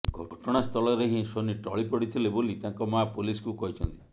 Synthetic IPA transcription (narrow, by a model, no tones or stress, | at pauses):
ɡʱɔɔʈɔɽ̃ast̪ʰɔlɔɾeɦĩsoniʈɔɭipɔɽit̪ʰilebolit̪aŋkɔmapoliskukɔɦit͡ʃʰɔnt̪i